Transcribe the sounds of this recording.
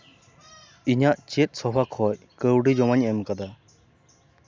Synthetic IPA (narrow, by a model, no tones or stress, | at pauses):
iɲaʔt͡ʃit̪̚ˀsɔbakʰhɔj | kəwɖid͡ʒɔmaɲɛmkad̪a